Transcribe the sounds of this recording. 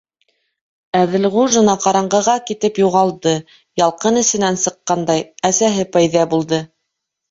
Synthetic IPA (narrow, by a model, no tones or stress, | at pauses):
æðɘlʁuʒɤ̆nɑqɑɾɑɴɢɤ̆ʁɑkit̪ɘpjuʁɑlˠd̪ɤ | jɑlˠqɤnɘ̆sɘ̆nænsɤ̆qːɑnd̪ɑjæsæɦɘpæjðæbulˠd̪ɤ